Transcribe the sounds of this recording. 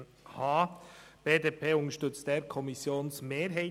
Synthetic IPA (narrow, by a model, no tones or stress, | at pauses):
hɑːb̥eːdeːpʰeːʊŋəʃtʏt͡st̚d̥eːɾkʰɔmɪsjoːnsmeːɾɦɛɪ